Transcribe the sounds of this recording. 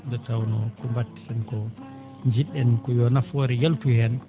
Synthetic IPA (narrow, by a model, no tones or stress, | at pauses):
dɔtawnɔkumbatːi̥sɛnkɔ | ɲd͡ʒiɗːɛnkɔjɔnafɔɾɛjeltuhɛn